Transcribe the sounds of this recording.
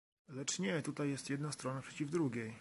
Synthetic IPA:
lɛt͡ʂɲɛt̪ut̪ajːɛst̪jɛd̪nast̪ɾɔnapʂɛt͡ɕivd̪ɾuɡʲej

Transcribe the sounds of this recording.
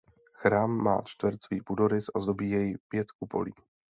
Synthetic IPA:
xɾaːmːa̰ːt͡ʃt̪vɾt͡sviːpudoɾɪsʔazobiːjɛjipjɛt̪kupo̞̰liː

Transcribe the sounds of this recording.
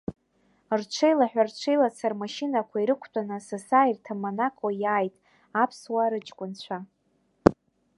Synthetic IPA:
rt͡ʃʷʰejlaħᶣʷart͡ʃʷʰejlat͡sʰarmaʃinakʷʰaiɾɨkʷʰtʷʼanɨsasairtʰamanakʼojaːjtʼ | apʰswaːɾɨt͡ʃʼkʷʼʊnt͡ɕʷʰa

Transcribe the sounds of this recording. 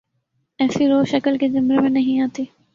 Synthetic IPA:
ɛːfiɾoːʃɐkəlked͡ʒɪmɾemẽnɐɦĩãːt̪iː

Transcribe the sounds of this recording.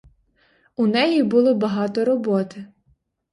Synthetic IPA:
unɛjibʊlˠɔbɐɦɑt̪ɔɾɔbɔt̪ɪ

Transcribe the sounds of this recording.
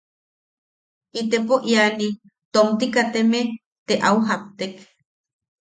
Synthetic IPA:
ʔit̪epoʔjani | t̪omt̪ikat̪eme | t̪eʔauɦapt̪ek

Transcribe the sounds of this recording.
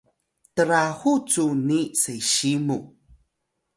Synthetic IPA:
təɾahut͡sunisejɕimu

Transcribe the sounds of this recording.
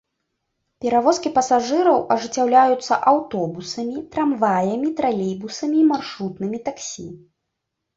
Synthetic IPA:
pʲɛɾavɔskʲipɐsaʐɨɾɐwʔɐʐɨt͡sʲːawlʲajut̪sːɐ̰ʔawt̪ɔbusɐmʲit̪ɾamvajɐmʲit̪ɾalʲibusɐmʲiːmarʂɾut̪nɨmʲit̪aksʲḭ

